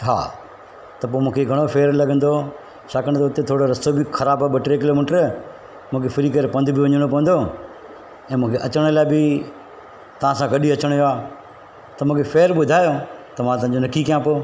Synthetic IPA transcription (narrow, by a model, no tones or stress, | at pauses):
ɦa̰ː | t̪ɐpoːmũːkʰeɡʱɐɽ̃ofʰeːɾlɐɡə̃nd̪o | t͡ʃʰaːkəñt̪ːʊt̪et̪ʰoːɽoɾɐsobɪxʰɐɾaːbaɓɐʈɾek̬ɪloːmɪːʈəɾ | mʊ̃ːkʰefɪɾik̬əɾepɐ̃nd̪ʱbʱiʋɐɲəɽ̃opɐʋənd̪oː | ɛ̃ːmũːkʰeʔɐt͡ɕəɽ̃əlaːɪbɪ | t̪ɐʋ̤ãsãɡɐɗiɐt͡ɕəɽ̃joaː | t̪ɐmũːkʰefeːɾɓʊd̪ʱaːjot̪ɐmãt̪ɐɦɪ̃ɲd͡ʑonɐkikijãpoː